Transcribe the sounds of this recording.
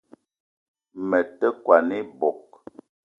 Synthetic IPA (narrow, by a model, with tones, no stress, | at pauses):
mɛ˨tə˦kwa˨ni˦bɔ˨k̚